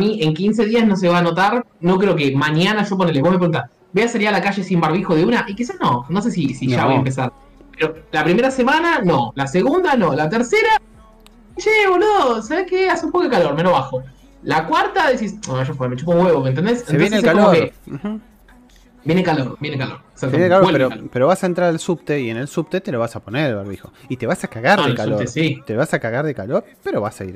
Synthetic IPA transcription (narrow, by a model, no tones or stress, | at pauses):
amiʔe̞ŋkins̬e̞ðiasno̞s̬eβaːno̞t̪aɾno̞k̬ɾeok̬emaɲanaʒo̞p̬oneleβo̞hmep̬ɾɣunt̪as | beasalialakaʃe̞simbaɾβ̞ixoðeunaʔikisasno̞no̞s̬e̞s̬isiʒaβojaempes̬aɾ | peɾo̞lapɾime̞ɾase̞manano̰laseɣund̪ano̞lat̪eɾse̞ɾa | ʃeβonosaβehkeasumpokoekalo̞ɾmeloβaxo | lakwaɾt̪aðes̬isoaʃopemet͡ʃupoɣweβoment̪end̪esneβjoenelsekakoloem̩xm̩ | bjenekaloɾbjenekalo̰ɾe̥satb̪enekaloepeɾopeɾo̞βasaent̪ɾaɾalsupt̪eiene̞lsup̚t̪et̪eloβ̞asaponeɾelβeɾβixo̞̰it̪e̞βasakaɣaɾðekaoesit̪eoβasakaɣaɾðekalo̞ɾ | pe̞ɾo̞βasaḭɾ